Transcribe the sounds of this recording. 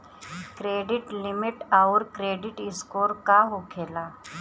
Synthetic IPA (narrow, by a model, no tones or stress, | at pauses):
kɾeːɖɪʈlɪmɪʈaʊɾkɾeːɖɪʈɪskoːɾkaɦoːkʰeːlaː